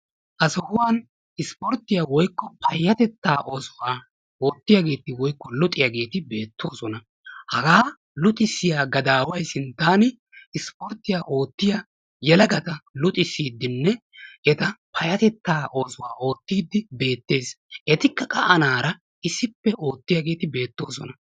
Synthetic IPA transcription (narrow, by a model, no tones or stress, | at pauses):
ʔɐsɔhʊwaːn | ɪspɔɾt̪ːɪjaːwɔjkːɔpɐjːɐt̪ɛt̪ːaːʔo̞ːsʊwaː | o̞ːt̪ːɪjaɡe̞ːt̪ɪwɔjkːɔlʊt̪ʼɪjaɡe̞ːt̪ɪbe̞ːt̪ːo̞ːsɔnɐ | hɐɡaː | lʊt̪ʼɪsɪjaːɡɐd̪aːwɐjsɪnt̪ːaːnɪ | ɪspɔɾt̪ːɪjaːʔo̞ːt̪ːɪja | jɛlɐɡɐt̪ɐlʊt̪ʼɪsːiːd̪ːɪnːɛ | ʔɛt̪ɐpɐjɐt̪ɛt̪ːaːʔo̞ːsʊwaːʔo̞ːt̪ːiːd̪ːɪbe̞ːt̪ːe̞ːs | ʔɛt̪ɪkːɐkʼɐʔɐnaːɾɐ | ɪsːɪpːɛʔo̞ːt̪ːɪjaɡe̞ːt̪ɪbe̞ːt̪ːo̞ːsɔnɐ